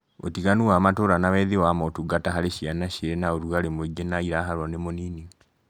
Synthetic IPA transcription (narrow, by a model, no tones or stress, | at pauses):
o̰tiɣanuaːmatoːɾanawɛðewamɔtuɡataɦaɾeʃianaʃeɾenaoɾuɣaɾemweɡenaiɾaɦaɾwɔnemoniːniɔ